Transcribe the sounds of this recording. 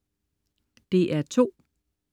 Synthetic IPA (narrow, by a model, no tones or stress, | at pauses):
d̥e̝ʔæɐt͡sʰo̝̰ː